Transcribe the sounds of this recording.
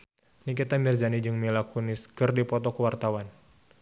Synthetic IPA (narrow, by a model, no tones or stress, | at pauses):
nikit̪amirzanid͡ʒɨŋmilakunɪskɨrdipɔt̪ɔkəwart̪awan